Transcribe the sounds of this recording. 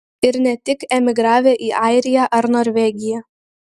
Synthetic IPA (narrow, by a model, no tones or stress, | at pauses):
ɪɾnʲɛt̪ʲɪkɛmʲɪɡɾɑːʋʲeːʔiːʔɐɪɾʲɪjæːʔɐɾnoːɾʲʋʲɛːɡʲɪjæː